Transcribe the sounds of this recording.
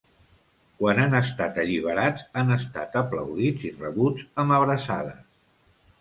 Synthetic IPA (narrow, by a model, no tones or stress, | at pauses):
kwananəst̪at̪əʎiβ̞əɾad͡zanəst̪a̰t̪əplə̰wðid͡zirəβud͡zəməβɾəsaðə